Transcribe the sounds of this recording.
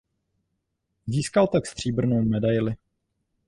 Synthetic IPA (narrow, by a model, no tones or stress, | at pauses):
ziːskalt̪akst̪r̝̥iːbr̩nowmɛdajlɪ